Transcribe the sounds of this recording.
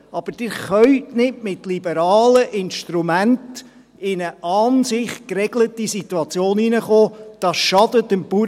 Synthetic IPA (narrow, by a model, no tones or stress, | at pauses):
ɑb̥əd̥ɪːɾχœʏtnɪtmɪtlibəɾɑːləʔɪnʃtɾumænt | ɪnəʔɑːnsɪχkrɛɡlətisit̪uɑt͡sjoːninəχoːd̥ɑːsʃɑdətəmpuː